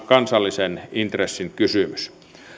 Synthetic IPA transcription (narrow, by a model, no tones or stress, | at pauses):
kɑnsɑlːisenint̪resːiŋkysymys